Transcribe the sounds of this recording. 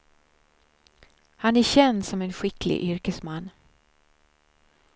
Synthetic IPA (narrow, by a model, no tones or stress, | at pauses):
hanæɕɛnd̪sɔmɛnɧɪklɪ̰ɡʔʏɾkəsmanː